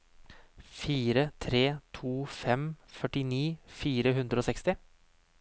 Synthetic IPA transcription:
fiːɾət̪ʰɾeːt̪ʰuːfɛmfœʈɪniːfiːɾəɦʉnd̪ɾəoːsɛkst̪ɪ

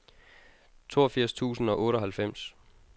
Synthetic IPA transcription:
t͡sʰo̝̰ːɐfiɐ̰st͡sʰṵːsn̩ɒ̽ʔɔ̽ːɾ̥ɒ̽ɦælfem̰s

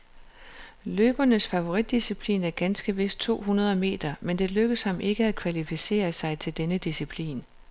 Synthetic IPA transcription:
løːb̥ɐnəsfæʋo̝ʁid̥ːisipʰlḭːnæɐɡ̥ænsɡ̥əʋe̝s̚t͡sʰo̝̰ːɦunɐð̞ˠɐme̝̰ːd̥ɐmend̥e̝løɡ̥əshɑ̈mʔe̝ɡ̥əæd̥̚kʰʋælifise̝̰ːɐsɑ̈ɪt͡sʰe̝ld̥enəd̥isipʰlḭːn

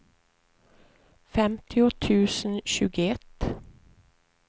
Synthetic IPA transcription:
fɛmt̪ʰɪɔt̪ʰʉːsn̩ʃʉːɡəɛt̪

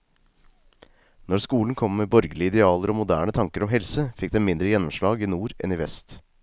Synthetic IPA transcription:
nɔɾskuːln̩kʰɔmːeːbɔɾɡəlɪɪd̪ɛɑːləɾoːmʊd̪æːɳət̪ʰɑŋkəɾɔmɦɛlsəfɪk̚d̪ɛmɪnd̪ɾəjɛnːɔmʂlɑːɡiːnuːɾɛ̰niːʋɛst̪

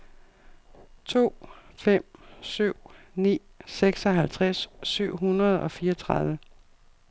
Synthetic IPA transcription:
t͡sʰo̝̰ːfem̰syʊ̰ | nḭː | seɡ̥sɒ̽ɦælt͡sʰʁasːyʊ̰ɦunɐð̞̩ˠɒ̽fiːʌɒt͡sʰʁɑðˠʋə

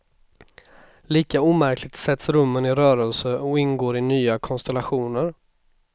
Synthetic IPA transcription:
liːkauːmæɾklɪɡ̚t̪sɛt̪sɾɵmːənɪɾœːɾəlsəɔɪnɡoːɾɪnyːakʰɔnst̪ɛlaɧuːnəɾ

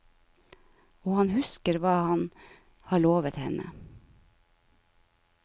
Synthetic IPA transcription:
oːhɑnhʉskəɾʋɑːhɑn | hɑːɭoːʋət̪hɛnə̰

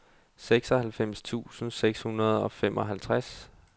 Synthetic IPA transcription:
seɡ̥sɒ̽hælfem̰st͡sʰṵːsn̩seɡ̥shunɐð̞ˠɒ̽femʔɒ̽ɦælt͡sʰʁas

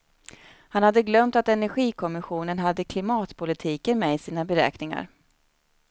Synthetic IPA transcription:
hanhad̪ːəɡlœmt̪at̪ɛnæɾɧiːkʰɔmɪɧuːnənɦad̪ːəkʰlɪmɑːt̪pʰʊlɪt̪ʰiːkənmɛɪsiːnabɛɾɛ̰ːknɪŋa̰ɾ

